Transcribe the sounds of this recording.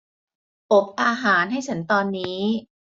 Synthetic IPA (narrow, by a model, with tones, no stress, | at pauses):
ʔo˨˩p̚ʔaː˧ɦaː˩˦nɦa˥˩jt͡ɕʰa˩˦nt̪ɔː˧nːiː˦˥